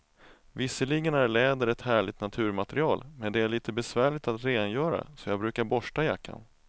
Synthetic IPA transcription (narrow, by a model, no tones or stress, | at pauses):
vɪsːəlɪɡənæɾɭɛːd̪əɾɛt̪hæːɭɪɡ̚t̪nat̪ʰʉ̟ːɾmat̪ɾɪɑːlmɛnd̪ɛæɭiːt̪əbɛsvæːɭɪt̪at̪ɾeːnjœːɾa̰sɔjɑːɡbɾʉ̟ːkaɾbɔʂʈajakːa̰n